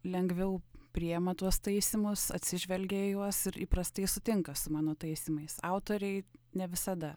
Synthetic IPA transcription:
lʲɛŋɡʋʲɛʊpʲɾʲɪjɛmɐt̪uɔst̪ɐɪsʲɪmʊsɐ̰t̪ʲsʲɪʒʲʋʲɛlʲɡʲɛɪjuɔsɪɾiːpɾɐst̪ɐɪsʊt̪ʲɪŋkɐsʊmɑːnoːt̪ɐɪsʲɪmɐɪsɑʊt̪oːɾʲɛɪnʲɛʋʲɪsɐd̪ɐ

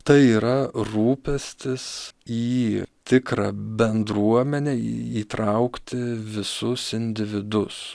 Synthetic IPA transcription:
t̪ɐɪiːɾɐruːpʲɛsʲt̪ʲɪsiːt̪ʲɪkɾɑːbʲɛnd̪ɾuɔmʲɛnʲeiːt̪ɾɐʊkt̪ʲɪʋʲɪsʊsɪnʲd̪ʲɪʋʲɪd̪ʊs

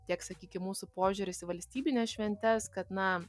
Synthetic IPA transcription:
t̪ʲiɛksɐkʲiːkʲɪmuːsʊpoːʒʲʊɾʲɪsɪʋɐlʲsʲt̪ʲiːbʲɪnʲɛːsʃʲʋʲɛnʲt̪ʲɛskɐt̪nɐ

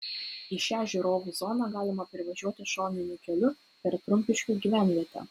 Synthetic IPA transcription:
ɪʃʲæːʒʲɪɾoːʋuzɔnɑːɡɑːlʲɪmɐpʲɾʲɪʋɐʒʲuɔt̪ʲɪʃoːnʲɪnʲʊkʲɛlʲʊ | pʲɛɾt̪ɾʊmʲpʲɪʃʲkʲuːɡʲiːʋʲæˑnʲʋʲiɛt̪ʲæ̰ː

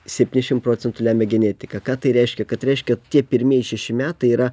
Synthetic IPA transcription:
sʲɛpʲt̪ʲiːnʲɪʃʲɪmpɾoːt͡s̪ʲɛnt̪ʊlʲæːmʲɛɡʲɛnʲæːt̪ʲɪkɐkɑːt̪ɐɪɾʲɛɪʃʲkʲɛkɐt̪ɾʲɛɪʃʲkʲɛt̪ʲiɛpʲɪɾʲmʲiɛɪʃʲɛʃʲɪmʲæːt̪ɐɪiːɾɐ

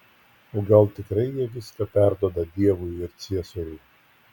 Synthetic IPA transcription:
oːɡɐlˠt̪ʲɪkɾɐɪjiɛʋʲɪskɐpʲæˑɾd̪uɔd̪ɐd̪ʲiɛʋʊjɪɾt̪sʲiɛsoɾʲʊɪ

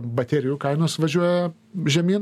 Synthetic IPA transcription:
bɐt̪ʲɛɾʲɪjukɐɪnoːsʋɐʒʲuɔjɛ | ʒʲɛmʲiːn

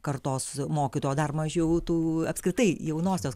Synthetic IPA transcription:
kɐɾt̪oːsmoːkʲɪt̪oːjoːd̪ɐrmɐʒʲɛʊt̪uːɐpskɾʲɪt̪ɐɪjɛʊnoːsʲoːs

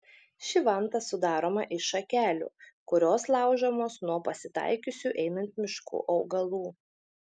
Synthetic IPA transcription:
ʃʲɪʋɐˑnt̪ɐsʊd̪ɑːɾoːmɐʔɪʃɐkʲæːlʲṵːkʊɾʲoːslˠɑˑʊʒʲɐmoːsnuɔpɐsʲɪt̪ɑ̰ˑɪkʲʊsʲuʔɛɪnɐnʲt̪mʲɪʃkṵːʔɒʊɡɐlˠuː

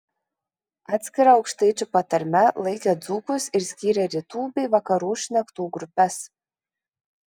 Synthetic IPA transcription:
ɑːt̪ʲsʲkʲɪɾɑɒʊkʃt̪ɐɪt͡ʃʲupɐt̪ɐɾʲmʲɛlˠɐɪkʲed̪zuːkʊsɪɾsʲkʲiːɾʲɛɾʲiːt̪uːbʲɛɪʋɐkɐɾuːʃʲnʲɛkt̪uːɡɾʊpʲɛs

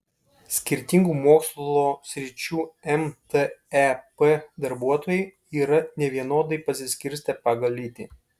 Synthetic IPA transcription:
sʲkʲɪɾʲt̪ʲɪŋɡuːmoːkslˠoːsʲɾʲɪt͡ʃʲuːɛmt̪ɛɛpɛd̪ɐɾbuɔt̪oːjɛɪ | iːɾɐnʲɛʋʲiɛnoːd̪ɐɪpɐsʲɪsʲkʲɪɾʲsʲt̪ʲɛpɐɡɐlʲiːt̪ʲiː

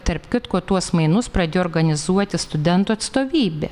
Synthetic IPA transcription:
t̪ɐɾpʲkʲɪt̪koːt̪uɔsmɐɪnʊspɾɐd̪ʲeːjoːɾɡɐnʲɪzuɔt̪ʲɪst̪ʊd̪ʲɛnt̪uːɐt̪st̪oːʋʲiːbʲḛː

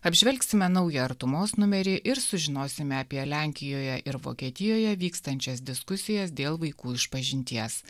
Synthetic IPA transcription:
ɐbʲʒʲʋʲɛlʲksʲɪmʲɛnɐʊjɪɐɾt̪ʊmoːsnʊmʲɛɾʲɪʔɪɾsʊʒʲɪnoːsʲɪmʲɛɐpʲiɛlʲæˑŋʲkʲɪjoːjɛʔɪɾʋo̰ːkʲiɛt̪ʲɪjoːjɛʋʲiːkst̪ɐnʲt͡ʃʲɛsd̪ʲɪskʊsʲɪjɛsd̪ʲeːlˠʋɐɪkuːɪʃpɐʒʲɪnʲt̪ʲiɛs

